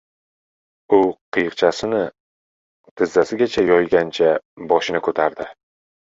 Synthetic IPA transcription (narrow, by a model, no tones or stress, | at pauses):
ʊqʰɨjɨqt͡ʃʰasɪnɪ | t̪ʰɪzːasɪɡʲat͡ʃʰajɒjɡʲant͡ʃʰabɒʃɪnɪkʰɵt̪ʰaɾd̪ɪ